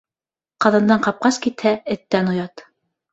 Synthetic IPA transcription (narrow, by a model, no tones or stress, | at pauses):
qɑðɑ̆nd̪ɑɴqɑp̚qɑskit̪hæɘ̆t̪ːænŏjɑt̪